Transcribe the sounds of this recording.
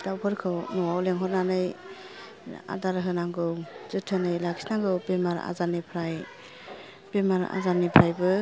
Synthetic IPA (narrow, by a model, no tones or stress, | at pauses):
d̥awpʰɯɾkʰɯwnɔwawleŋɦɔt̚nanɯj | a̰daɾɦɯnaŋɡɯwz̥ɯtʰɯnɯjlakʰi̥snaŋɡɯwbemaɾa̰zanipʰɾaj | b̥emaɾa̰zanipʰɾajbɯ